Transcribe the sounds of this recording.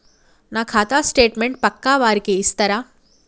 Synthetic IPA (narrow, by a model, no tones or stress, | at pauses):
nakʰat̪asʈeːʈmeɳʈ̚pəkːaʋaɾkeist̪əɾa